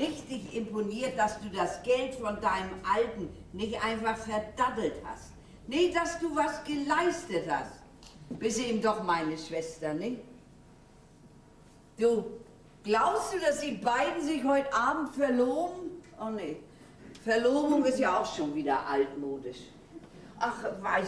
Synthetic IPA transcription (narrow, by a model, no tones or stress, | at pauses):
ɪçtd̥ɪçɪmponiːɐt̚d̥asd̥uːdasɡ̥ɛltfɔndaɪnəmʔaltn̩nɪçtʔa̰ɪnfaχfɛɐdadl̩tha̰st̚ | nɪçd̥asd̥uːvasɡ̥əlaɪstətha̰st | b̥ɪstiːmdɔχmaɪnəʃv̥ɛstɐnɪç | d̥uː | ɡ̥laʊpsd̥uːdasd̥iːbaɪdn̩zɪçhɔʏtʔaːbm̩tfɛɐloːbn̩ʔone | fɛɐloːbʊŋɪstjaːaʊxʃoːnviːdɐ̰ʔaltmoːdɪʃ | ʔaχvaɪ